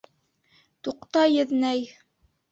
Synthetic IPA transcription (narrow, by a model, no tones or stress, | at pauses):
t̪uqt̪ɑjɘ̆ðnæj